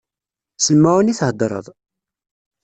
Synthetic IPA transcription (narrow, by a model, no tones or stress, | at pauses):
səlmæwəniθhəd̪ɾˤə̰ðˤ